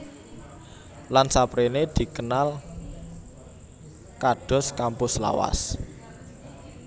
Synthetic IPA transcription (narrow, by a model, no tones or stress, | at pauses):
lansapɾened̪̥i̤kənal | kaɖ̥ɔ̤skampʊsla̰wa̰s